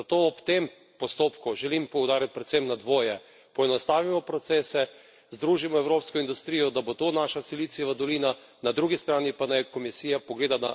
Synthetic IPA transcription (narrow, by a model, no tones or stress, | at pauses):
zat̪oːɔpt̪em | pɔst̪oːpkuʒɛlimpɔwd̪aːɾjat̪̚pɾɛt̪sɛmnad̪ʋoːjɛ | pɔɛnɔst̪aːʋimɔpɾɔt̪seːsɛ | zd̪ɾuːʒimɔɛwɾoːpskɔind̪ust̪ɾijɔd̪abot̪oːnaːʃasilit̪siʋad̪ɔliːna | nad̪ɾuːɡist̪ɾaːnipanajkɔmisiːjapɔɡleːd̪ana̰